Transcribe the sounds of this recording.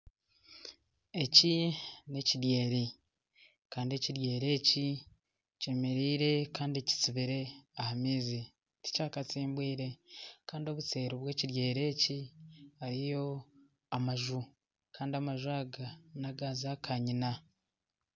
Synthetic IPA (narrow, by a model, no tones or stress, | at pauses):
e̞cine̞ciɾje̞ːɾi | kaːndie̞ciɾje̞ːɾe̞ːci | cemeɾiːɾe̞kaːndie̞ci̥t͡siβiɾe̞ahamiːzi | ti̥caːkat͡siːmbwiːɾe̞kaːndio̞βut͡se̞ːɾoβwe̞ːciɾje̞ːɾe̞ːciaɾijo̞ | amaʒu | kaːndiamaʒwaːɡanaɡazakʰaɲina